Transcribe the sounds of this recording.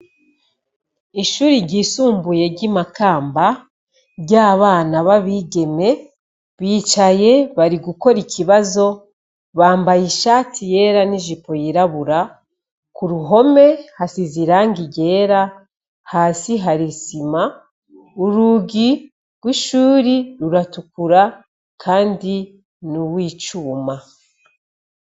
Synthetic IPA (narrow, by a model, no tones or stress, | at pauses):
iʃuːɾiɾɟiːsuːmbuje̞ɾɟimakaːmba | ɾɟaːβaːnaβaβiːɡe̞me̞ | βiːt͡ʃaje̞βaɾiɡuko̞ɾiciβazo̞ | βaːmbajiʃaːtʰije̞ːɾaniʒipo̞jiɾaβuɾa | kuɾuɦo̞me̞hasiziɾaːŋɡiɟe̞ːɾa | haːsiɦaɾisima | uɾuɡi | ɡ̥wiʃuːɾiɾuɾatukuɾa | kʰaːndi | nuwiːt͡ʃuːma